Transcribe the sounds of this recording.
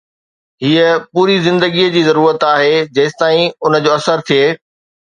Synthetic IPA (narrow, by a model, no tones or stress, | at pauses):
ɦiːəpuːɾizɪ̃nd̪əɡiəd͡ʑiːzɐɾuːɾət̪aːɦed͡ʑɐːst̪aːĩʊnə̆d͡ʑoːɐsəɾt̪ʰijeː